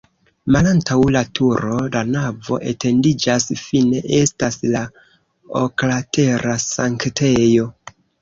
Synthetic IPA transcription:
malantawlatʰuɾo̞lanavo̞̰ʔe̞tʰe̞ndid͡ʒasfine̞ʔe̞stasla | o̰klatʰe̞ɾasaŋktʰe̞jo̞

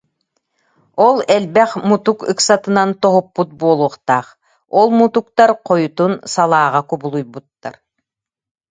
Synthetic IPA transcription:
ɔlˠɛlbɛχmut̪ukɯ̰ksat̪ɯnant̪ɔɦupːut̪̚buɔlˠuɔχt̪aːχ | ɔlˠmut̪uk̚t̪aɾqɔjut̪unsalˠaːʁakubulˠujbut̪ːa̰ɾ

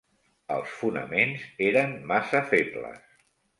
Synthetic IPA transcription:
ə̰lˠsfunə̰menzeɾəmːasəfeplə̰s

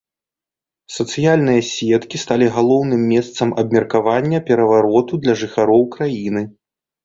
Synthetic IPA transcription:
sɐt̪sɨjalʲnɨjɐsʲɛt̪kʲist̪alʲiɣalˠɔwnɨmːʲɛst̪sɐmɐbmʲɛrkavanʲːɐpʲɛɾɐvaɾɔt̪ud̪lʲɐʐɨxaɾɔwkɾajinɨ

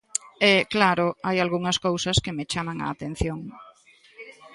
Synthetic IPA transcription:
ɛklaɾʊajalɣuŋɐskowsɐskemet͡ʃamaŋa̰ːt̪ẽn̟θjoŋ

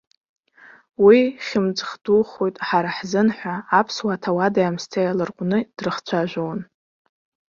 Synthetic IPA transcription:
wiχʲɪmt͡sʼχd̥uχojtʼħaɾaħzɨnħʷaːpʰswaːtʰawadajamstʰajalɨrqʷʼʊnɨd̥rɨχt͡sʷʰaʒʷᶣown

